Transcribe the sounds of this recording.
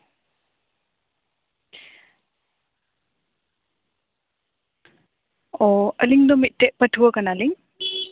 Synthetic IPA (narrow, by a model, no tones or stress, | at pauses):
ɔʔəliŋd̪ɔmit̪̚ˀt̪ɛʔpəʈʰuwəkanaliŋ